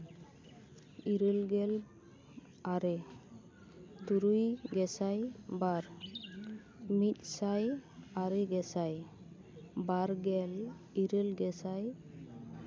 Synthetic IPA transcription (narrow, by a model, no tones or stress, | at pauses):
iɾəlɡɛl | aɾe | d̪uɾujɡɛsajbaɾ | mit̪̚sajaɾeɡɛsaj | baɾɡɛl | iɾəlɡɛsaj